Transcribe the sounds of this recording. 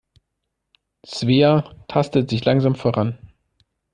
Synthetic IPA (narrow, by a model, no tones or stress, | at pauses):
t͡sv̥eːatʰastətz̥ɪçlaŋzaːmfoːʁan